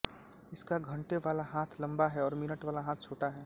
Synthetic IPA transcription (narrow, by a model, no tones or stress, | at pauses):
ɪskaɡʱɐ̃ɳʈeʋaːlaɦaːt̪ʰlɐ̃mbaɦɛɔːɾmɪnəʈʋaːlaɦaːt̪̚ʰt͡ʃʰoːʈaɦɛː